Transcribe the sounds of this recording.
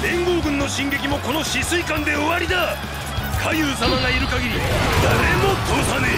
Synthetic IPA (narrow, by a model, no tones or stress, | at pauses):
ẽ̞ŋɡo̞ːɡɯ̟̃nːo̞ɕĩŋɡe̞kʲimo̞ko̞no̞ɕisɨikãnd̪e̞oβaɾʲid̪a | kʰajɯːsamaŋaiɾɯ̟kaɡʲiɾʲid̪aɾemot̪oːsane